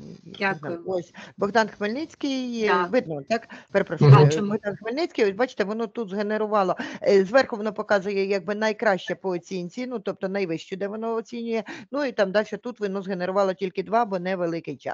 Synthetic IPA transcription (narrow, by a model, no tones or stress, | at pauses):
ɔsʲbɔɣd̪ɑnxmelʲnɪt͡sʲkɪjʋɪd̪nɔt̪ɑkpeɾepɾɐʃujʊbɔɣd̪ɑnxmelʲnɪt͡sʲkɪjɔsʲbɑt͡ʃɪ̥t̪ɛʋɔnɔt̪ut̪zɦeneɾʊʋɑlˠɔzʋɛrxʊʋɔnɔpɔkɑzʊjɛjaɡ̚bɪnɐjkɾɑʃt͡ʃɛpɔːt͡sʲinʲt͡sʲinut̪ɔp̚t̪ɔnɐjʋɪʃt͡ʃʊd̪ɛʋɔnɔːt͡sʲinʲʊjɛnuit̪ɑmd̪ɑlʲʃɔt̪ut̪ʋɪnɔzɦene̞ɾʊʋɑlˠɔtʲilʲkɪd̪ʋɑbɔnɛʋelˠɪkɪjt͡ʃɑ̰s